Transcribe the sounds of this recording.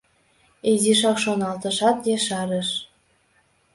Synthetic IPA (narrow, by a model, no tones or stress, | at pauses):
eziʃɑkʃonɑlt̪ɤ̆ʃɑt̪jeʃɑɾə̆ʃ